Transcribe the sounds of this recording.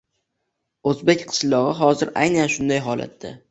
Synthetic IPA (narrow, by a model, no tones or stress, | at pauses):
ɵzbekʲqʰɨ̥ʃlˠɒʁɨɦɒzɪɾʔa̰jnanʃʊnd̪ajɦɒla̰t̪ːa̰